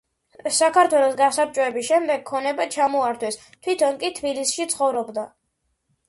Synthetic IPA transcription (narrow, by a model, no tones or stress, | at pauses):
sakʰaɾt̪ʰwɛlˠɔsɡasap̚t͡ʃʼɔɛbisʃɛmd̪ɛɡ̚kʰːɔnɛbat͡ʃʰamɔaɾt̪ʰwɛs | t̪ʰwit̪ʰɔnkʼit̪ʰbilisʃit̪sʰχɔvɾɔbd̪a